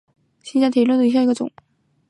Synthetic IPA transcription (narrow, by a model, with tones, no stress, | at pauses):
ɕi˥t͡ɕja˥˩t̪ʰi˨˩lwu˥˩ə˩i˧˥ɕja˥˧˩ɡə˧ʈ͡ʂʊ̰˨˩˦ŋ